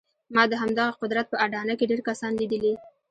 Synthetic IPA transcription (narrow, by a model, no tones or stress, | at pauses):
mɑd̪əɦamd̪aɣaqʊd̪ɾat̪̚pəaɖɑnakeɖeɾkasɑnlid̪əli